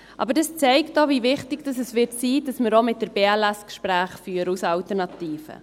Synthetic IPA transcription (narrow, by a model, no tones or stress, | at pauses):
ʔɑ̰bəɾdɑst͡sɛɪktovivɪχtɪɡd̥ɑsəsʋɪtsiːd̥ɑsməɾomɪt̚dəɾbeːɛlɛskʃpɾæːχfyːəɾusɑltəɾnɑtiːfə̰